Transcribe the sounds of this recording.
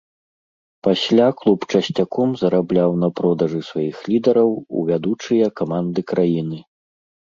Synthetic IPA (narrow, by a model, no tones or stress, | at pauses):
pasʲlʲaklˠupt͡ʂɐsʲt͡sʲakɔmzɐɾablʲawnɐpɾɔd̪ɐʐɨsvajixlʲid̪ɐɾɐwṵvʲad̪ut͡ʂɨjɐkamand̪ɨkɾajinɨ